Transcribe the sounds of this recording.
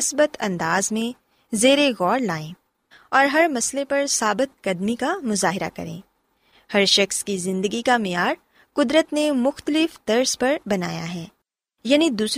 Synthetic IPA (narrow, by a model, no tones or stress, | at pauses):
sbət̪ʰɐ̰̃nd̪aːzmẽ | zeːɾeɣɔːɾlaːẽː | ɔːɾɦɐɾmɐslepɐɾsaːbɪt̪̚kɐd̪mikamʊzaːɦɪɾa̰kɐ̰ɾḛ̃ː | hɐɾʃɐxskizɪ̃nd̪əɡikamɪjaːɾ | kʊd̪ɾət̪nemʊxt̪əlɪfd̪ɐɾspɐɾbɐnaːja̰ɦɛː | jaːnid̪uːs